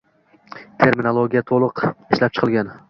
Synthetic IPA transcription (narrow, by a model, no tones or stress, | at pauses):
t̪ʰe̞ɾmɪnolˠoɡʲijat̪ʰolˠʊqɪʃlap̚t͡ʃʰɨ̥qʰɨlˠɡʲan